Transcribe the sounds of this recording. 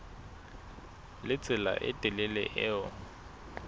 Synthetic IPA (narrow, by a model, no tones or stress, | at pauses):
lɪt͡sʼɪla̰ʔɪtʼɪlɪlɛ̰ʔɪːʊ